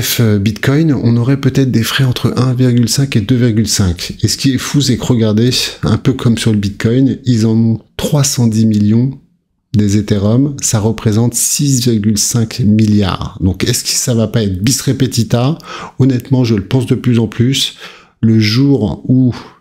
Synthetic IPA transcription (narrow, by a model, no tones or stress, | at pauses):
ɛfbit̪kɔjnɔ̰̃nɔʁɛpøt̪ɛt̪χd̪efχɛɑ̃t̪χəʔɛ̃viʁɡʲylsɛ̃ked̪øviʁɡʲylsɛ̃kesə̥kʲiɛfus̬ɛkʁəɡaʁd̪eɛ̰̃pøkʰɔmsyʁləbit̪̚kʰɔjnilzɑ̃nɔ̃t̪χwasɑ̃d̪imiljɔ̃ | d̪ezet̪eʁɔmsaʁəpχezɑ̃t̪sis̬viʁɡʲylsɛ̃kmilja̰ːʁd̪ɔ̃kɛskə̥savapaɛt̪χbisʁepet̪it̪aɔnɛt̪mɑ̃ʒələpɑ̃sd̪əplyzɑ̃plys | ləʒuʁu